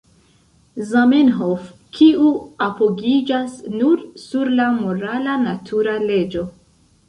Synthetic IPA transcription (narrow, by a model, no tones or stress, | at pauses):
zamenɦofkʰiuapoɡid͡ʒasnuɾsuɾlamoɾalanatʰuɾale̞d͡ʒo̞